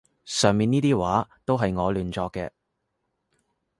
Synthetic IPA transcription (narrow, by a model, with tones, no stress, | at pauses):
sœː˨ŋmiː˨˧niː˥t̪iː˥waː˨˥t̪o˥wɦɐ˨jŋɔː˨˧lyː˨nt͡sɔː˧kːɛ̰ː˧